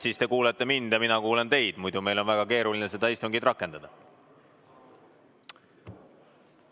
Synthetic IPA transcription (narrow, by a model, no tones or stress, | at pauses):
siːst̪e̞kuːlet̪ːe̞mind̪̥jɑminɑkuːle̞nt̪e̞jd̪̥mujd̪̥ume̞jlo̞nvæɡ̥ɑke̞ːɾulinese̞d̪ɑist̪uŋɡid̪̥rɑkːˑe̞nd̪̥ɑd̪̥ɑ